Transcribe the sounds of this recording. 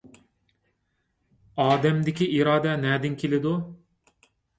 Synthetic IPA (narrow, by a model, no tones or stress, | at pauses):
ɑːd̪ɛmd̪ɪkʲiiɾɑːd̪ɛnɛːd̪ɪnkʲʰelɪd̪u